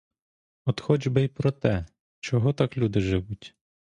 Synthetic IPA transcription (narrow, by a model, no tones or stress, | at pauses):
ɔt̪xɔd͡ʒbɪjpɾɔt̪ɛ | t͡ʃɔɦɔt̪ɑklʲud̪ɪʒɪʋutʲ